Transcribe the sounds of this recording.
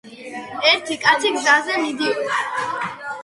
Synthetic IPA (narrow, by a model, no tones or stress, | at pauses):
ɛɾt̪ʰikʼat̪sʰiɡzazɛmid̪i